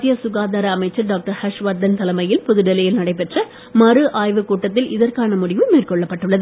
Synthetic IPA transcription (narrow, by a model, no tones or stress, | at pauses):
jɐsʊɣaːðaːɾɐːmɐɪt͡ʃːɐɾɖaːk̚ʈɐɾhɐʂʋaːɾd̪ɐnt̪ɐlɐmɐjɪlpʊðɯɽɛlɐjɪlnɐɽɐɪpɛʈrɐ | mɐɾɯʔaːjʋɯkuːʈːɐt̪ːɪlʔɪðɐrkaːnɐmʊɽɪʋɯmeːrkɔɭːɐpːɐʈːɯɭːɐðɯ